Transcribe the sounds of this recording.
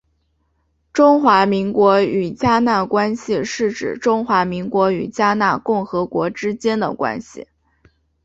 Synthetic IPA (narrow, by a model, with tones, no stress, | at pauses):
ʈ͡ʂʊ˥ŋxwa˧˥mi˧˥ŋkwɔ˧˥y˨˩t͡ɕja˥na˥˩kwa˥nɕi˨ʂɻ̩˥˩ʈ͡ʂɻ̩˨˩ʈ͡ʂʊ˥ŋxwa˧˥mi˧˥ŋkwɔ˧˥y̰˨˩t͡ɕja˥na˥˧kʊ˥˩ŋxɤ˧˥kwɔ˧˥ʈ͡ʂɻ̩˥t͡ɕjɛ˥nd̪ə̰˨kwa̰˥nɕḭ˨˩